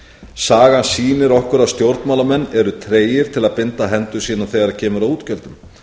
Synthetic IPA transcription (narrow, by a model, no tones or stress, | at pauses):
saːɣansiːnɪɾɔhkʏɾaðst̪jowɾt̪maːlamɛnːɛɾʏt̪ʰɾeːjɪɾ̥t̪ʰɪlaðpɪnt̪aɦɛnt̪ʏ̥siːnaθɛɣaɾacʰɛːmʏɾaðuːt̪cœlt̪ʏm